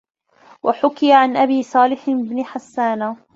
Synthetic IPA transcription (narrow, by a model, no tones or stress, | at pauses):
waħʊkɪjaʕanʔabiːsˤɑːlɪħɪbnɪħasːaːna